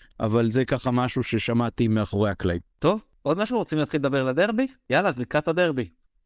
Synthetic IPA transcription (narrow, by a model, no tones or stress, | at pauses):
ʔa̰valzekaχamaʃuʃe̞ʃamat̪imeaχoʁehaklaimt̪o̞v | o̞d̪maʃuʁot͡simlaːt̪χiled̪abe̞ʁlad̪e̞ʁbijalazlikat̪ad̪e̞ʁbi